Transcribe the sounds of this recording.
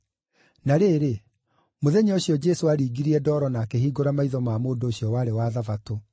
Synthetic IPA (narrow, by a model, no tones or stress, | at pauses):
naɾeːɾe | moðɛɲeoɕijɔd͡ʒɛsoaɾiːɡiɾiɛdɔːɾɔnakeɦiːɡoɾamaiðɔmaːmoːndoːɕjɔwaɾewaːðavato